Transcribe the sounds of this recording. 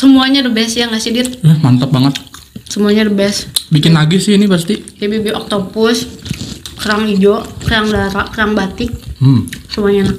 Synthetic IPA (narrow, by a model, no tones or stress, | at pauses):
səmuaɲadəbɛsjaŋɡasidit̪̚ahmant̪ap̚baŋət̪̚ | səmuaɲadəbɛsbikɪnlaɡisɪhinipas̬t̪ijabibiʔɔk̚t̪opʊs | kəɾaŋid͡ʒokəɾaŋlaɾaʔkəɾaŋbat̪ɪk̚msəmuaɲana